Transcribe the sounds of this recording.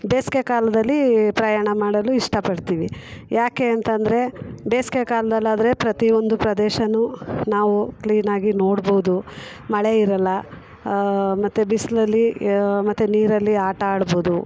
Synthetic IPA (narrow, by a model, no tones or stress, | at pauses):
beːskekaːlɐd̪ɐlːipɾɐjaːɳɐmaːɽɐluiʂʈɐpɐɽt̪iːʋijʔaːke̞ːɐnt̪ɐnd̪ɐɾe̞beːskekaːlɐd̪ɐlːaːd̪ɐɾe̞pɾɐt̪io̞nd̪upɾɐd̪ɛːʃɐnːunaːʋukliːnaːɡino̞ːɽboud̪u | mɐɭe̞iɾɐlːɐ | mɐt̪ːubislɐlːimɐt̪ːuniːɾɐlːiaːʈɐaːɽboːud̪u